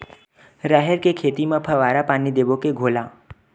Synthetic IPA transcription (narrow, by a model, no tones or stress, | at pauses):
ɾaɦeɾkekʰeːt̪imãpʰəʋaːɾapanid̪ebokeɡʱoːlaː